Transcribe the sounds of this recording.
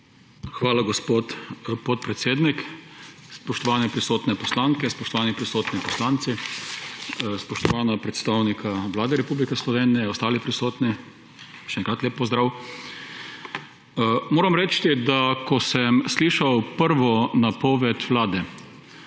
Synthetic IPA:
xʋaːlaɡɔspot̪pɔt̪̚pɾɛt̪seːd̪nik | spɔʃt̪ɔʋaːnɛpɾisoːt̪nɛpɔslaːŋkɛspɔʃt̪ɔʋaːnipɾisoːt̪nipɔslaːnt̪si | spɔʃt̪ɔʋaːnapɾɛt̪st̪awnikʰaʋlaːd̪ɛɾɛpublikɛslɔʋeːnijɛɔst̪aːlipɾisoːt̪ni | ʃɛŋkɾat̪leːppːɔzd̪ɾaːw | moːɾamɾɛt͡ʃt̪id̪akɔsɛmsliːʃawpəɾʋɔnapɔːʋɛt̪ʋlaːd̪ɛ

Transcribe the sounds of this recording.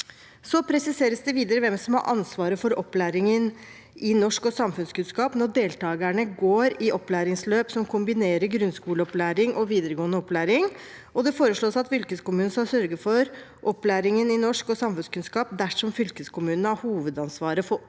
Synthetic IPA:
sɔpʰɾɛsɪseːɾəsd̪ɛʋiːd̪əɾəʋɛmsɔmhɑ̰ɾʔɑ̰nsʋɑːɾəfɔɾɔplæːɾɪŋən | ɪnɔʂkɔsɑmfʉnskʉnskɑːpnɔɖ̪eːlt̪ɑːɡəɳəɡoːɾɪʔɔpːlæːɾɪŋsløːpsɔmkʰʊmbɪneːɾəɾɡɾʉnskuːləɔplæːɾɪŋʔɔʋiːd̪əɾəɡoːənəɔpːlæːɾɪŋ | ɔd̪ɛfoːɾəʂɭoːsɑt̪fʏlkəskʊmʉːn̩skɑlsœɾɡəfɔɾʔɔpːlæːɾɪŋənɪnɔʂkɔsɑmfʉnskʉnskɑːp̚d̪æʂɔmfʏlkəskʊmʉːnnəɑhuːʋəd̪ɑnsʋɑːɾəfɔ

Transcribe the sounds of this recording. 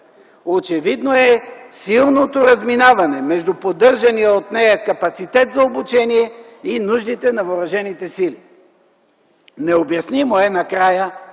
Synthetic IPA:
ot͡ʃɛvid̪noɛsilˠnot̪oɾɐzminavɐnɛmɛʒd̪upod̪ɤɾʒɐnijəot̪nɛjəkɐpɐt̪sit̪ɛt̪zɐobut͡ʃɛniɛ | inuʒnit̪ɛnɐvoɾɐʒɛnit̪ɛsili | nɛobjɐsnimoɛnɐkɾajə

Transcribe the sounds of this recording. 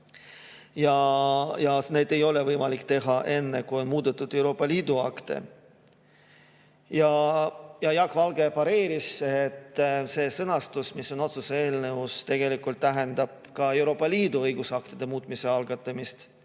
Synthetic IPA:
jɑjɑne̞ːd̪e̞jo̞le̞vɤjmɑlikːt̪e̞ɦɑʔe̞nːekujo̞nmuːd̪̥et̪ːˑud̪̥e̞wɾo̞ːpːˑɑliːd̪̥uɑkt̪e̞̰ | jɑjɑjɑkvɑlɡ̥e̞pɑɾe̞ːɾiset̪ːse̞ːsɤnɑst̪usmisːo̞no̞t̪suseeːlneust̪e̞ɡ̥e̞likːˑult̪ːæɦe̞nd̪ɑb̥̚kɑe̞wɾo̞ːpːˑɑliːd̪uɤjɡ̥usɑk̚t̪id̪̥e̞muːt̪ˑmise̞ɑlɡ̥ɑt̪ˑːɑmist̪

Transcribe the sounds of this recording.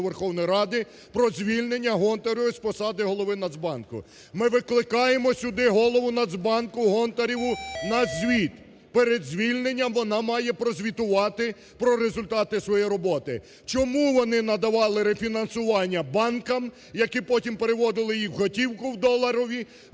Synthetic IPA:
ʋerxɔwnɔjɾɑd̪ɪ | pɾɔzʲʋʲilʲne̞nʲːɐɦɔnt̪ɐɾʲɔʋɪspɔsɑd̪ɪɦɔlˠɔʋɪnɐd̪zbɑnkʊ̰ | mɪʋɪklˠɪkɑjemɔsʲʊd̪ɪɦɔlˠɔʋʊnɐd̪zbɑnkʊɦɔnt̪ɐɾʲiʋʊnɐzʲʋʲit̪ | peɾed̪zʲʋʲilʲne̞nʲːɐmʋɔnɑmɑjɛpɾɔzʲʋʲit̪ʊʋɑt̪ɪ | pɾɔɾezʊlʲt̪ɑt̪ɪsʋɔjijɾɔbɔt̪ɪ̰ | t͡ʃɔmuʋɔnɪnɐd̪ɐʋɑlˠɪɾefʲinɐnsʊʋɑnʲːɐbɑnkɐm | jɐkipɔtʲimpeɾeʋɔd̪ɪlˠɪjiwɦɔtʲiwkʊwd̪ɔlˠɐɾɔʋʲi

